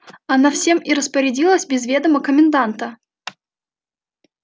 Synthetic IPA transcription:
ɐnafsʲe̞miɾəspəɾʲɪdʲilˠəsʲbʲɪzvʲe̞d̪əməkəmʲɪnd̪ant̪ə

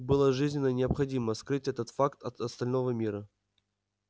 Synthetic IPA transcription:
bɨlˠəʐɨzʲnʲɪnːənʲɪɐpxɐdʲiməskɾɨtʲɛt̪ət̪fakt̪ɐt̪ɐst̪ɐlʲnovəmʲiɾə

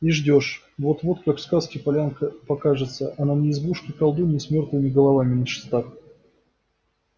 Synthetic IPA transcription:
iʐdʲo̞ʂ | vo̞t̪vot̪kakfskaskʲɪpɐlʲankəpɐkaʐɨt̪səʔɐnanʲɪːzbuʂkʲɪkɐlˠd̪unʲɪsmʲort̪lˠɨmʲɪɡəlˠɐvamʲɪnəʂɨ̥st̪at̪

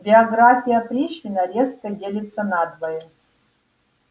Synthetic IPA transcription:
bʲɪɐɡɾafʲijɐpɾʲiɕʲinɐɾʲeskɐdʲelʲɪt̪sɐnad̪vɐjɛ

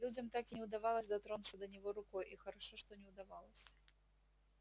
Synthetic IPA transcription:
lʲud͡zʲɐmt̪akinʲɛwd̪avalˠɐsʲd̪at̪ɾɔnt̪sɐd̪ɐnʲɛɣɔɾukɔjixɐɾaʂɨʂt̪ɔnʲɛwd̪avalˠɐsʲɐ̥

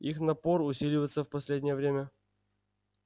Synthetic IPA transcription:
ixnɐporʊsʲilʲɪvəjɪt̪səfpɐsʲlʲedʲnʲɪjəvɾʲemʲə

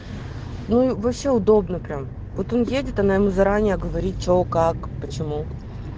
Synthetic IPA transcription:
nuivɐpɕʲːe̞ʊd̪o̞bnəpɾʲam | vo̞t̪o̞njedʲɪt̪ɐnajɪmuzɐɾanʲɪjəɐɡəvɐɾʲit̚ʲt͡ɕokakpət͡ɕɪmu

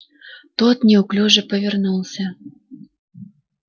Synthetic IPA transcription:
t̪ot̪nʲeuklʲuʒĕpəvʲernulˠsʲa

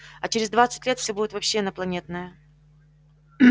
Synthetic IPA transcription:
ɐt͡ɕɪɾʲɪzd̪vat̪sɨtʲlʲe̞t̪fsʲobudʲɪt̪vɐpɕːeɐnəplˠɐnʲe̞t̪̚nəjə

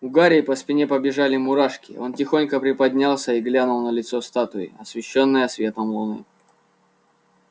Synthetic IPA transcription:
ʊɡaɾʲɪːpəspʲɪnʲe̞pəbʲɪʐalʲɪmʊɾaʂkʲɪo̞ntʲɪxo̞nʲkəpɾʲɪpɐdʲnʲalˠsʲəiɡlʲanʊlˠnəlʲɪt̪sost̪at̪ʊɪ̰ɐsvʲɪɕːo̞nːɨjəsvʲe̞t̪əmlˠʊnɨ̰

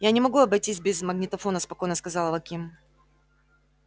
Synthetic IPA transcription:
janʲɪmɐɡuɐbɐjtʲisʲbʲɪzmɐɡnʲɪt̪ɐfo̞nəspɐko̞jnəskɐzɑlˠɐvɐkʲim

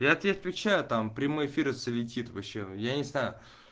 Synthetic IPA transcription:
jaɐt̪vʲet̪vʲɪt͡ɕæjʊt̪ampɾʲɪmo̞jɪfʲiɾəsəlʲɪtʲit̪vɐɕːejanʲɪznajʊ

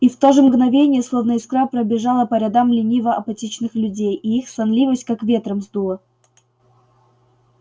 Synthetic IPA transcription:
ift̪oʐɨmɡnɐvʲenʲɪjəslˠovnəɪskɾapɾəbʲɪʐalˠəpəɾʲad̪amlʲɪnʲivəʔɐpɐtʲit͡ɕnɨxlʲʉdʲejiixsɐnlʲivəsʲtʲkakvʲe̞t̪ɾəmzd̪uə

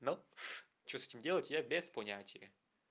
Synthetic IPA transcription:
no | t͡ɕosɛ̥tʲimdʲelˠətʲjabʲesponʲatʲijə

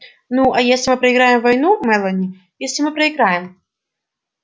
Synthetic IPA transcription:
nuɐjesʲlʲɪmɨpɾɐɪɡɾajɪmvɐjnumɛlˠənʲɪ | jesʲlʲɪmɨpɾəɪɡɾajɪm

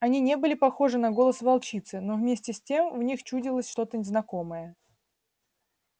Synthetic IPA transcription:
ɐnʲinʲe̞bɨlʲɪpɐxo̞ʐɨnɐɡo̞lˠəsvɐlˠt͡ɕit̪sɨno̞vmʲesʲtʲɪsʲtʲe̞mvnʲixt͡ɕudʲɪlˠəsʲʂt̪o̞t̪ənʲɪznɐko̞məjə

